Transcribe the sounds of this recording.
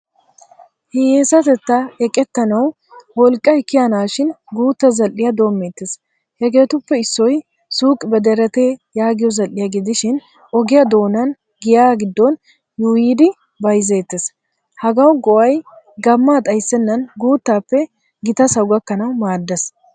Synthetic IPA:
hɛjeːsɐt̪ɛt̪ːaɛkʼːɛt̪ːɐnɐw | wɔlkʼːɐjkːɪjɐnaːʃɪnɡuːt̪ːɐzɐlʔɪjɐd̪o̞ːmːeːt̪ːes | hɛɡe̞ːt̪ʊpːɛɪsːɔj | suːkʼɪbɛd̪ɛɾɛt̪eːjaːɡɪjɔzɐlʔɪjɐɡɪd̪ɪʃɪn | ʔɔɡɪjɐd̪o̞ːnɐn | ɡɪjaːɡɪd̪ːɔn | juːjiːd̪ɪ | bɐjzeːt̪ːes | hɐɡɐwɡɔʔɐj | ɡɐmːaːt̪ʼɐjsːɛnːɐnɡuːt̪ːaːpːɛ | ɡɪt̪ɐsɐwɡɐkːɐnɐwmaːd̪ːɐs

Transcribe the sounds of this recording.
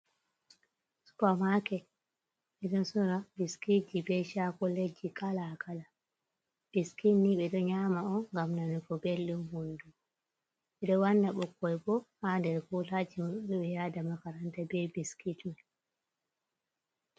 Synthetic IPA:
su̥kamakɛ | ɓɛɗɔnsɔɾabiskid͡ʒibɛʃakɔled͡ʒikalakʰala | b̥iskinːiɓɛɗɔɲamaɔŋɡamnanikɔbelːumhondu | ɓɛɗɔwandaɓɔkːɔjbɔhandɛɾkulad͡ʒimɗuɓɛjadamakaɾantabɛbiskitmɛ

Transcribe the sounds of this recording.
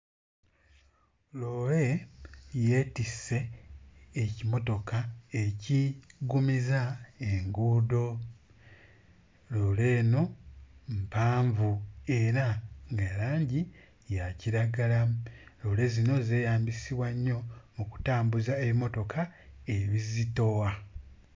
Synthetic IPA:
lo̞ːle̞ | je̞tisːe̞ː | cimo̞to̞kaeciɡumizaeŋɡuːdo̞ | lo̞ːle̞ːno̞mpaːɱvue̞ɾaŋɡaɾaːɲɟi | jaciɾaɡalalo̞ːle̞zino̞ze̞ːjaːmbisiβwaɲːo̞muku̥taːmbuzaeβimo̞to̞kʰaeβizito̞wa

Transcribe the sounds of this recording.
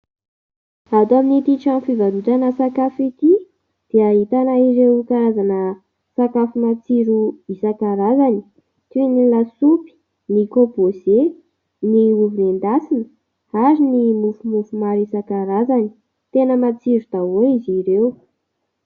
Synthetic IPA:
ad̪aminit̪iʈ͡ʂanfivalut̪anəsakafit̪i | d̪̥eaɦit̪anaiɾewkaɾazanə | sakafumat͡siɾuisakaɾazani̥ | t̪uinilasupi̥ | nikopoze | niuvinend̪asinə | aɾinimufumufumaɾisakaɾazani̥ | t̪enəmat͡siɾud̪̥aoiziɾeu

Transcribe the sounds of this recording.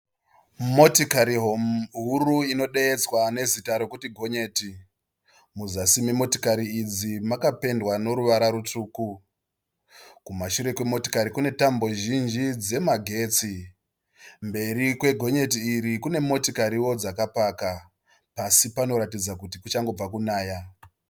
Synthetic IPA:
mo̞tikaɾiɦoɦuruino̞ɗe̞et͡swane̞zitaɾo̞kutiɡʱo̞ɲe̞ːti | muzasimemo̞ti̥kaɾiːd͡zimakape̞ndwano̞ɾuʋaɾaɾutuːku | kumaʃuɾe̞kwemo̞to̥kaɾikune̞tambo̞ʒind͡ʒid͡ze̞maɡʱe̞ːt͡si | mbe̞ɾikwe̞ɡʱo̞ɲe̞t̬iːɾikune̞mo̞tikaɾiwo̞d͡zakapaka | pasipano̞ɾatid͡zakutikut͡ʃaŋɡo̞b͡vakunaːja

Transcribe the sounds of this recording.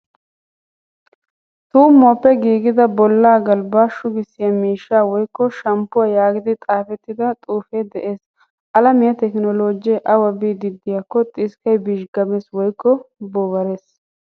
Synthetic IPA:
t̪uːmːoːpːɛɡiːɡɪd̪ɐbɔlːaːɡɐlbaːʃʊɡɪsːɪjɐmiːʃːaːwɔjkːɔʃɐmpːʊwaːjaːɡɪd̪ɪt̪ʼaːfɛt̪ːɪd̪ɐt̪ʼuːfɛd̪ɛʔe̞ːs | ʔɐlɐmɪjɐt̪ɛknɔloːd͡ʒɪjɛʔɐwɐbiːd̪ɪd̪ːɪjakːɔt̪ʼɪskɐjbɪʃɡɐmɛswɔjkːɔbɔwɐɾeːs

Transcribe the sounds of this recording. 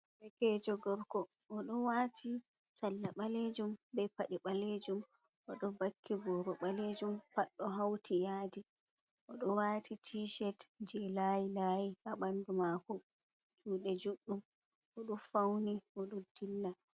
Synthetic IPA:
bɛkɛːd͡ʒɔɡɔɾkɔʔːɗɔwatʰi | salːaɓaled͡ʒumbɛpaɗiɓaled͡ʒum | ʔɔɗɔbakːibɔɾɔɓaled͡ʒumpaɗːɔɦawtʰijaːdi | ʔɔɗɔwaːtʰitʰiʃɛtd͡ʒɛlajilajihaɓandumaku | d͡ʒuːɗɛd͡ʒuɗːum | ʔɔɗunfawniʔɔɗumdilːa

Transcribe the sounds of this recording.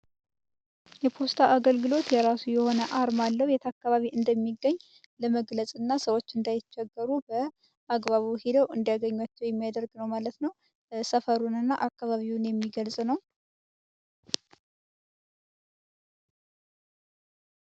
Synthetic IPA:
jɛpʰo̞st̪ʰaʔaɡəlɡɨlo̞t̪jɛɾasujɛho̞nəʔaɾmalːəhwjɛt̪ʰəakːaβaβiʔɨnd̪əmːiɡːəɲː | ləməɡləsʼɨnːasəwo̞t͡ʃːɨnd̪ajɪt͡ʃːɛɡːəɾubə | ʔaɡβaβuhed̪əwɨnd̪jaɡəɲːwat͡ʃːɛwjɛmːijad̪əɾɡnəwmalət̪nəw | səfəɾunɨnːaʔakːaβaβiwunjɛmːiɡəlsʼnəw

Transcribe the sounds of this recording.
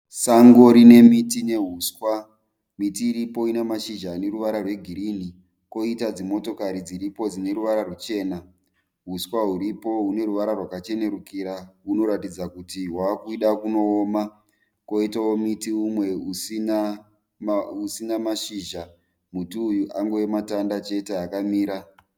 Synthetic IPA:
saŋɡoɾine̞mitineɦuswa | mitiːɾipo̞inemaʃiʒaːne̞ɾuʋaɾarwe̞ɡʱiɾini | ko̞itad͡zimo̞to̞kaɾid͡ziɾipo̞d͡zine̞ɾuʋaɾarut͡ʃe̞ːna | ɦuswaɦuɾipo̞ɦune̞ɾuʋaɾarwakat͡ʃe̞ne̞ɾukiɾaɦuno̞ɾatid͡zakutiɦwakuiɗakuno̞ːma | ko̞itawo̞mitiumwe̞usina | usinamaʃiʒa | mutiujuʔaŋɡowematandat͡ʃe̞te̞akamiːɾa

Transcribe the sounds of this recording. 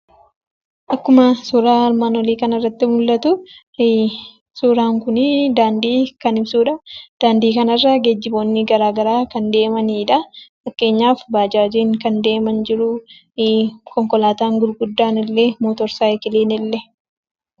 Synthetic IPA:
ʔɐkːʊmɐsuːɾaːɐɾmaːnwɔliːkɐnɐrːɐt̪ːɪmʊlːɐt̪ʊ | suːɾaːŋkʊnɪd̪aːnd̪iːkɐnɪbsuːᶑɐd̪̥aːnd̪iːkɐnɐrːɐɡed͡ʒːɪbo̞ːnːɪɡɐɾaːɡɐɾaːkɐnd̪e̞ːmɐniːᶑɐfɐkːe̞ːɲːaːfbaːd͡ʒaːd͡ʒeːŋkɐnd̪e̞ːmɐnd͡ʒɪɾʊ | kɔŋkɔlaːt̪aːŋɡʊɾɡʊd̪ːaːnɪlːemoːt̪ɔɾsaːɛkɪleːnɪlːɛ

